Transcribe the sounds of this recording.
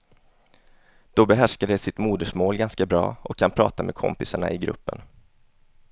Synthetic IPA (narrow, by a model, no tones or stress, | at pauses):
d̪̥ɔbɛɦæʂkaɖɛjsɪt̪muːd̪əʂmoːlɡanskabɾɑ̰ːʔɔkʰːanpʰɾɑ̰ːt̪ameːkʰɔ̰mpɪsaɳa̰ʔɪɡɾɵ̰pːən